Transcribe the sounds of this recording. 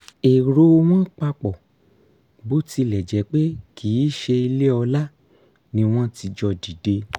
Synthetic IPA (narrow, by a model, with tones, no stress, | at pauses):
e˨ɾo˨˧w̃ɔ̃˦k͡pa˧k͡pɔ˨ | bo˦ti˧lɛ˨d͡ʒɛ˨˦k͡pe˦kʰiː˨˦ʃe˧i˧le˦ɔ˧la˦ | nĩ˧w̃ɔ̃˦ti˧d͡ʒɔ˧di˨de˧